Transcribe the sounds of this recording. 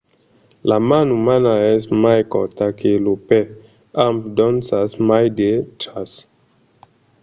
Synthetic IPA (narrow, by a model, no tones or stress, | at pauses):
lamanumanaɛsmajkɔ̰takʰelupɛ | ampdɔnsasmajdetɾas